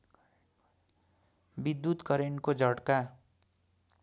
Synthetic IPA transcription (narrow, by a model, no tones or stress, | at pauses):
bid̪ːut̪kʌɾeɳkod͡zʌɽka